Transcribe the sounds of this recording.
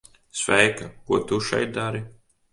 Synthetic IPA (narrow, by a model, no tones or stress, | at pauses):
svɛjkɐkuɔt̪uʃɛ̰jt̪̚d̪aɾi